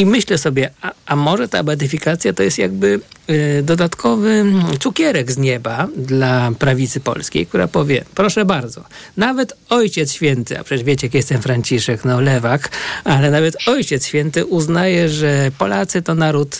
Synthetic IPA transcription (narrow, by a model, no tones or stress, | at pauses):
imɘɕlɛsɔbʲjɛaamɔʐɛt̪a̰bɛd̪ɘfʲikat̪sʲjat̪ɔjɛst̪ja̰ɡbɘd̪ɔd̪at̪kʰɔvɘt̪sukʲɛɾɛɡzɲɛbad̪lapɾavʲit̪sɘpɔ̰lskʲḛjk̚t̪uɾa̰pɔvʲjɛ̰pɾɔʂɛbaɾd̪zɔnavɛt̪ɔjt͡ɕɛt̪sɕfʲjɛnt̪ɘa̰pʂɛɛvʲjet͡ɕɛjakjɛst̪ɛmfɾaɲt͡ɕiʂɛknɔlɛvakalɛnavɛt̪ɔjt͡ɕɛt̪sɕfʲjɛnt̪ɘʔuznajɛʐɛpɔlat̪sɘt̪ɔnaɾut̪